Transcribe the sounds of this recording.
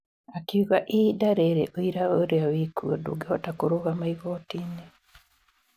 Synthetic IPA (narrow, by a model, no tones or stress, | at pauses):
akiuɣaʔidaɾeɾeʔoiɾaoɾeawikʰuodṵɡeotakuɾuɣamaiɣotiːne